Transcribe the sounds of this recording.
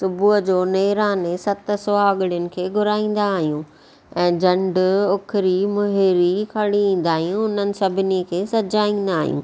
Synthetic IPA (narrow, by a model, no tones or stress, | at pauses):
sʊbʱuɦd͡ʑoːneːɾaːnesɐt̪̆soaɐɠɪɽjʊnɪ̆kʰeːɡʱʊɾaːĩːn̆d̪aːɦijũː | ɛ̃ːd͡ʑɐ̃ɳɖʊkʰɪɾimʊɦɪɾikʰɐɽiĩːn̆d̪aːɦijũʊnənɪ̆sɐbʱɪnikʰeːsɐd͡ʑaːĩːn̆d̪aːɦijṵ̃ː